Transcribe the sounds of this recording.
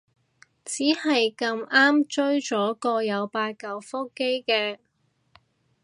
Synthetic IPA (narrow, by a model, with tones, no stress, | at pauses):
t͡siː˨˥hɐ˨jkɐ˧maː˥mt͡ʃɵ˥ɥt͡ʃɔː˨˥kɔː˧jɐ˨˧wpaː˧t̚kɐ˨˧wfo˥ke˥jkɛː˧